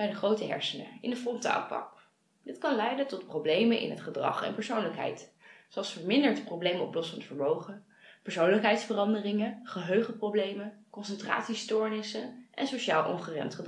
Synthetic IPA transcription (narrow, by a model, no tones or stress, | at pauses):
ɛjdəχrowtəɦɛ̰ɹsənə̰ɪnəfrɔnta̰ːlˠpɑ̰k | dɪtkɑnlɛjdətɔt̚prowblejmənʔɪ̰nɦətχədrɑ̰χɛ̰npəɹsownləkɦɛ̰jt | soɑlˠsfəɹmɪndəɹtprowblejmɔ̰plɔsfɑndəfəɹmowχə | pəɹsownləkɦɛjtsfərɑndərɪŋəχəɦøɥχəprowblejməkɔnsəntra̰ːtsistʊɹnɪsəʔɛ̰nsoʃaːlˠʔɔ̰ŋχərɛ̰ntχəd